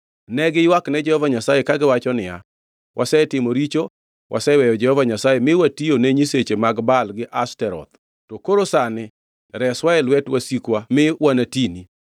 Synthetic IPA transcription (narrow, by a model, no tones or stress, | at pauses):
nɛɡɪjwaknɛd͡ʒɛhɔvaɲasajekaɡɪwat͡ʃɔnɪja̰ | wʔasɛtɪmoɾit͡ʃo | wʔa̰sɛwɛjɔd͡ʒɛhɔvaɲasajemɪwationeɲiset͡ʃemaɡbalɡɪʔastɛɾɔ̰t̪̚ | tokoɾosanɪ | ɾɛswaɛlwɛtwasikwamɪwanatini